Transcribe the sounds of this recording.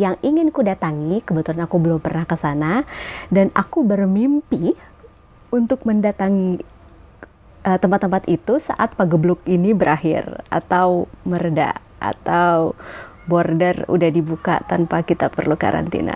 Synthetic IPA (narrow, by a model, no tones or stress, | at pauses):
jaŋiŋɪnkudat̪aŋikəbət̪ulanakubəlʊmpərnahkəsanadana̰kubərmimpi | unt̪ʊk̚məndat̪aŋi | ʔət̪əmpat̪ːəmpat̪it̪usa̰ʔat̪̚paɡəblʊkinibəɾʔaɦɪ̰ra̰t̪awmərda̰ | a̰t̪aww | bɔrdɛrṵdahdibuka̰t̪anpakit̪apərluka̰ɾa̰nt̪ḭna̰